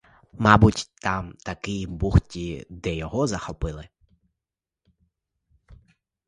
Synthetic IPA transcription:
mɑbutʲt̪ɑmt̪ɐkɪjbuxtʲid̪ɛjɔɦɔzɐxɔpɪlˠɪ

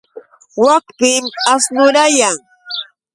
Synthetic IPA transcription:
wakpɪmasnʊɾajaŋ

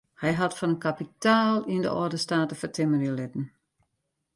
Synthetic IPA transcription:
hɛjɦatfɔnənkapitaːlˠində̰ʔɔ̰rdəstaːtəfərtʰɪmənilɪtn̩

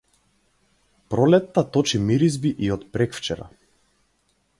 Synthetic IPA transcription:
pɾɔlɛt̪ːat̪ɔt͡ʃimiɾizbiʔiɔt̪pɾɛkft͡ʃɛɾa̰

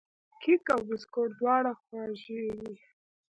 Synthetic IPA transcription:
kikawbɪskoʈd̪wɑɽaxwɑʒewi

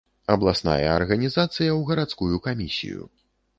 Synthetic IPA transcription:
ɐblˠasna̰jɐːrɣɐnʲizat̪sɨjɐwɣɐɾat̪skujukamʲisʲḭjṵ

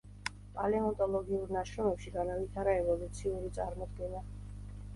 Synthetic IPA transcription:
pʼalɛɔnt̪ʼɔlˠɔɡiuɾnaʃɾɔmɛpʃiɡanavit̪ʰaɾɛɛvɔlut̪sʰiuɾit̪sʼaɾmɔd̪ɡɛna

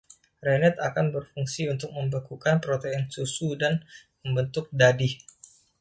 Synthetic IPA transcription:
renɛt̪akanbərfuŋsiunt̪ʊk̚məmbakukanpɾot̪eɛnsusudanməmbənt̪ʊk̚dadɪh

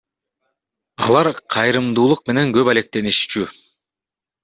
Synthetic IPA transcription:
ɑ̰lˠɑɾqʰɑjɾɯmd̪uːlˠuq̚me̞ne̞ŋɡø̞pale̞k̚t̪e̞niʃt͡ʃy

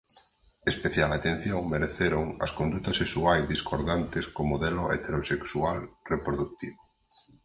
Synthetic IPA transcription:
espeθjalat̪en̟θjoŋmeɾeθeɾoŋɐ̰skond̪ut̪ɐsesuajzðiskoɾðant̪eskomoðeloḛt̪eɾoseksualrepɾoðuk̚t̪iβo

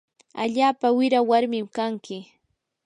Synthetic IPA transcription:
aʎaːpawɪɾawaɾmɪmkaŋkɪ

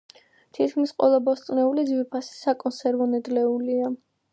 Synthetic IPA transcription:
t̪ʰit̪ʰkʰmisqʼwɛ̰lˠabɔst̪sʼnɛulid̪zwiɾpʰasi̥sakʼɔnsɛɾvɔnɛd̪lɛulia

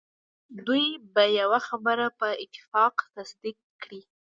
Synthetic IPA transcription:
d̪ujbajawaxabəɾapəɪt̪ːɪ̥fɑqt̪asd̪ikː | ɽi

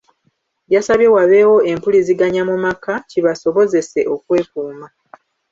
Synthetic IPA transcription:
jasaβje̞waβe̞wo̞e̞mpuliziɡaɲamumakaciβaso̞βo̞ze̞se̞ʔo̞kwe̞ːkuːma

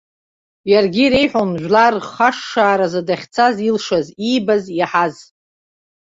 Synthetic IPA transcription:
jarɡʲiɾejħʷᶣonʒᶣʷlarχaʂːaːɾazadaχʲt͡sʰazilʂaziːbazaħaz

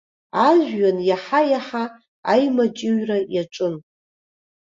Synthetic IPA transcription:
aʒʷᶣːanjaħajaħa | ajmat͡ʃʼɪɥrajaʈ͡ʂʼɨn

